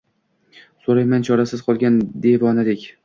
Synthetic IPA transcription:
soɾajmant͡ʃʰɒɾasɪz̥qʰɒlˠɡʲand̪e̞vɒnɪd̪ekʲ

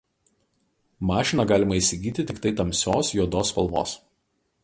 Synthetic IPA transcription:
mɑːʃʲɪnɑɡɑːlʲɪmɐiːˑsʲɪɡʲiːt̪ʲɪt̪ʲɪkt̪ɐɪt̪ɐmʲsʲoːsjuɔd̪oːspɐ̰lˠʋo̰ːs

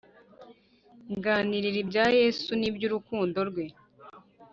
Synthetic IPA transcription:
ŋɡaːniɾiɾibjaːje̞ːsunibjuːɾukuːndo̞ɾɡwe̞

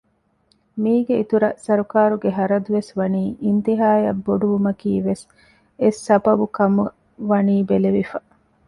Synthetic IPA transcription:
miːɡeit̪uɾɐsɐɾukaːɾuɡeɦɐɾɐd̪uʋesʋɐniːʔint̪iɦaːjɐbːoɖuʋumɐkiːʋes | esːɐbɐbukɐmu | ʋɐniːbeleʋifɐ

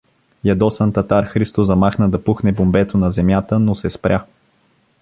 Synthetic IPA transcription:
jɐd̪ɔsant̪ɐt̪aɾxɾist̪ozɐmaxnəd̪ɐpuxnɛbombɛt̪onɐzɛmjat̪ənosɛspɾʲʔa

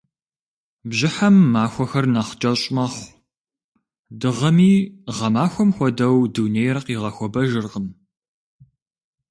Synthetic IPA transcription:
bʑɪħamːaːxʷɔxɐrnaχt͡ʃʼɐɕʼmɐχʷ | dɨʁɐmiːʁɐmaːxʷɔmxʷɔdɐwduːnejrɐqiːʁɐxʷɔbɐʒɨrqən

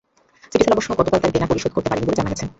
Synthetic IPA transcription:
siʈit͡ɕʰalaboʃːoeɡɔt̪okalt̪aɾbenapoɾiʃod̪̚oɾt̪epaɾeniboled͡ʑanaɡɛt͡ɕʰe

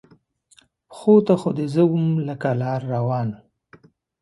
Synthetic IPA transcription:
xot̪axod̪ezəwumləkalɑːɾːawɑːn

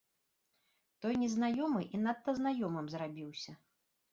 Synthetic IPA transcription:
t̪ɔjnʲɛznajɔmɨʔinɐt̪ːɐznajɔmɨmzrabʲiwsʲɐ

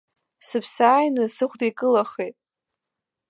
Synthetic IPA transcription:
sɨpʰsaːjnɨsɨχʷdejkʼɨlaχejtʼ

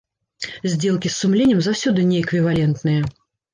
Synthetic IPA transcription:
zʲd͡zʲelˠkʲisːumlʲenʲjəmzawsʲud̪ɨnʲɛːkvʲivalʲɛnt̪nɨjɐ

